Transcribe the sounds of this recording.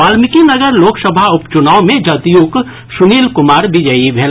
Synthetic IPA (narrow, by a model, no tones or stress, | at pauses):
aːlmɪkinɐɡəɾloːksəbʱaʊpt͡ʃʊnaːomẽd͡ʒɐt̪juːk | ʃʊniːlkʊmaːɾbɪd͡ʒəibʱeːl